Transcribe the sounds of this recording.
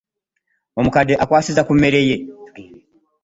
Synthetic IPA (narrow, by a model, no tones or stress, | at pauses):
mɔm̩kadɛʔakwasizakumɛɾɛjɛ